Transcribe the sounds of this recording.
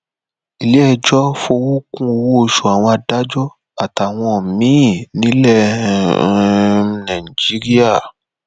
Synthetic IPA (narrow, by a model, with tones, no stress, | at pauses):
i˨le˨˦ɛ˧d͡ʒɔ˦fo˧wo˦kũ˦o˧˨wo˦o˧ʃo˨a˨w̃ɔ̃˧a˧da˦d͡ʒɔ˦ | a˨ta˨w̃ɔ̃˧˨mĩ˨˦˨nĩ˦lɛ˦˨ | nã˨ĩ˨d͡ʒi˨˦ɾi˦a˦˨